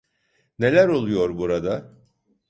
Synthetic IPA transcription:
ne̞lʲæɾo̞lˠujo̞ɾbuɾad̪a

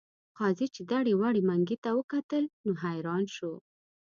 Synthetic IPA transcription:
qɑzit͡ʃed̪aɽewaɽimaŋɡit̪awəkat̪əlnoɦajɾɑnʃo

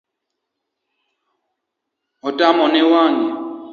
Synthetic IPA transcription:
ɔtamɔnɛwaŋɡɛ

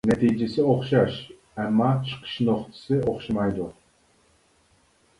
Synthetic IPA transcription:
nɛt̪ʰijd͡ʒesɪoχʃɑʃ | æmːɑt͡ʃʰə̥qʰə̥ʃnoqt̪ʰɨ̥sɨoχʃɨmɑjd̪u

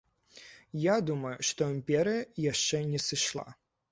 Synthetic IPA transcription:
jad̪umɐjʊʂt̪ɔɪmʲpʲɛɾɨjɐjaʂt͡ʂɛnʲɛsɨʂlˠa̰

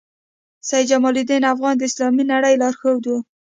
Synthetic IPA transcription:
saj̪d͡ʒamɑlid̪enafɣɑnd̪əɪslɑminaɽəjlɑɾxowd̪u

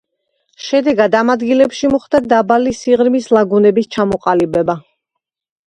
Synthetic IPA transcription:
ʃɛd̪ɛɡad̪amad̪ɡilɛpʃimɔχd̪̥ad̪abalisiʁɾmislˠaɡunɛbist͡ʃʰamɔqʼalibɛba

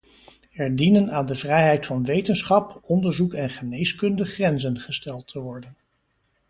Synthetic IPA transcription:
ɛɹdinənaːndəvrɛjɦɛjtfɑnʋejtənsχɑpɔndəɹzukɛnχənejskɵndəχrɛnzənχəstɛlˠtʰəʋɔɹdən

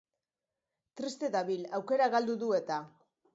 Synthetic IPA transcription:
t̪ɾist̪e̞t̪aβilawke̞ɾaɣald̪uðue̞t̪a

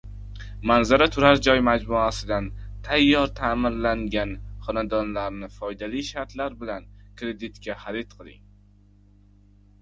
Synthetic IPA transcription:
manzaɾat̪ʰʊɾaɾd͡ʒɒjmad͡ʒmʊasɪd̪ant̪ʰajːɒɾt̪ʰaːmɪɾlaŋɡʲanχɒnad̪ɒnlaɾnɪfɒjd̪aliʃaɾt̪laɾbɪlankɾe̞d̪ɪt̪kʲʰaχaɾet̪qʰɨlˠɪ̰ŋ

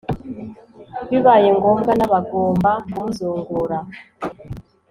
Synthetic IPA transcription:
βiβajeŋɡomɡanaβaɡoːmbakumuzoːŋɡoɾa

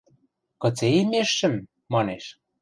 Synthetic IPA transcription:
kɤ̆t͡seimeʃːɘ̆mː | ɑneʃ

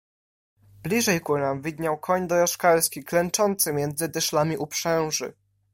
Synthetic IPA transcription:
blʲiʐɛjkunamvʲid̪ɲawkʰɔɲd̪ɔɾaʂkaɾskʲiklɛnt͡ʂɔnt̪sɘmʲjɛnd̪zɘd̪ɘʂlamʲiʔupʂɛw̃ʐɘ̰

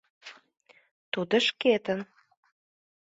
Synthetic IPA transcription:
t̪ud̪ə̆ʃket̪ən

